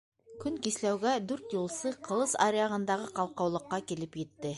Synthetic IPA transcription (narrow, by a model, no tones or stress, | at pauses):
kʲʰʏŋkʲeslæwɡʲæd̪ɵɾt̪jolˠsɤqʰə̆lˠɤsa̰ɾejaʁə̆nd̪ɑʁəqɑlˠqɑwlˠəqːɑkʲelɪpjet̪ːɪ